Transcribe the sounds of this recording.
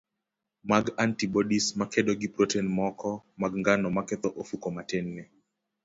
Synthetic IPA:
maɡantibɔɗismakɛɗɔɡipɾotenmɔkɔmaɡŋɡanɔmakɛt̪ɔʔofukɔmatɛnːɛ

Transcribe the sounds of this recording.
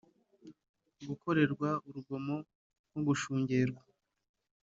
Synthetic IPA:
ɡukʰo̞ɾe̞ɾɡwauɾuɡo̞mo̞ | oɡuʃuːɲɟe̞ɾɡwa

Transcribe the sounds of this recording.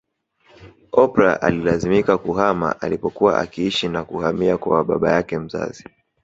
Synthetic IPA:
ɔpɾaʔalilazimikakuhama̰ʔalipɔkuwa̰ʔakiiʃinakuhamiakawaɓa̰ɓa̰jakɛm̩za̰zi

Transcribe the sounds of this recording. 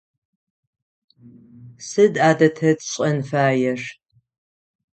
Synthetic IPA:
sɨdaːdɐtʰɐtɕʼɐnfaːjɛʂ

